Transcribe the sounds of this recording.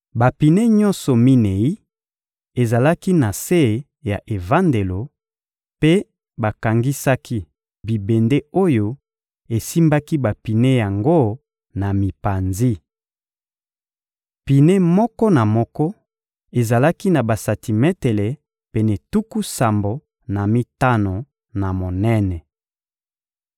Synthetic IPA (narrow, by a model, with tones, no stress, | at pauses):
ba˨pi˨ne˦ɲɔ˦nsɔ˨mi˦ne˨i˦ | e˨za˨la˦ki˦na˨se˦˨ | ja˨ʔe˨va˦nde˨lo˨ | pe˦ | ba˨ka˨ŋɡi˦sa˦kʰi˦ | bi˨be˨nde˦o˦jo˦ | e˨si˦mba˦ki˦ba˨pi˨ne˦ja˨ŋɡo˦ | na˨mi˨pa˨nzi˦ | pi˨ne˦mɔ˦kɔ˦na˨mɔ˦kɔ˦ | e˨za˨la˦ki˦na˨ba˨sa˨ti˨mɛ˦tɛ˨le˨ | pe˨ne˨tu˦ku˦sa˨mbo˨ | na˨mi˦ta˦no˨ | na˨mo˨nɛ˦nɛ˨